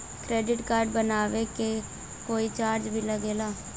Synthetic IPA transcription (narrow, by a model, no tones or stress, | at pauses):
kɾeːɖɪʈkaːɾɖbənaːʋeke | koːit͡ʃaːɾd͡ʒbʱiːləɡeːlaː